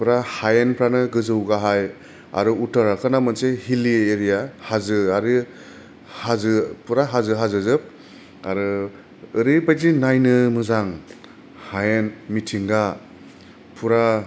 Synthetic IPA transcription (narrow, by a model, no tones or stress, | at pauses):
puɾahajenpʰɾanɯɡɯzɯwɡaɦaj | a̰ɾɯutaɾakʰɯnamɯnsehilieːɾijahazɯaɾi | hazɯpʰuɾaɦazɯɦazɯzɯp̚ | aɾɯː | ɾibajdinajnɯmɯzaŋ | hajenmitʰiŋɡa | pʰuɾa